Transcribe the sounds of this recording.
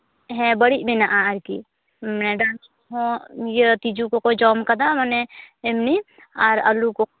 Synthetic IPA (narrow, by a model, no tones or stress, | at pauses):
ɦɛbəɽibɪnaʔaːɾkḭ | mɛɖan | ɦõjet̪id͡ʒukokod͡ʒɔːmkɐd̪amɐneɪmni | aːɾɐluko